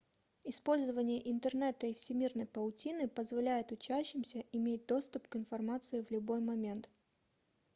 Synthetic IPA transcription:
ɪspo̞lʲzəvənʲɪjəʔɪnt̪ərnɛt̪əɪfsʲɪmʲirnəjpəʊtʲinɨpəzvɐlʲæjɪt̪ʊt͡ɕæɕːɪmsʲəʔɪmʲet̚ʲd̪o̞st̪ʊpkɪnfɐrmat̪sɨɪvlʲʊbo̞jmɐmʲe̞nt̪

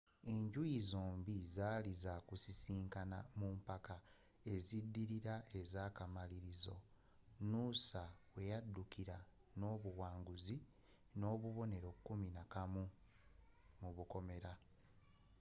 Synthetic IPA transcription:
e̞ɲɟuizoːmbizaːlizakusisiːŋkana̰mumpaka | e̞zidːiɾiɾae̞zaːkamaliɾizo̞̰ | nuːsawe̞jadːukiɾano̞ːβuwaːŋɡuzi | no̞ːβuβo̞ne̞ɾo̞kːuminakamu | muβuko̞me̞ɾa

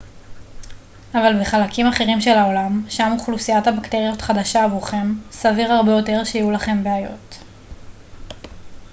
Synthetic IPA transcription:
avalbeχalakʰimaχe̞ʁimʃe̞lao̞lamʃamuχlusijathabakte̞ʁijo̞tχadaʃaːvuχe̞msaviʁaʁbe̞jo̞te̞ʁʃejijulaχe̞mbeajo̞̰t

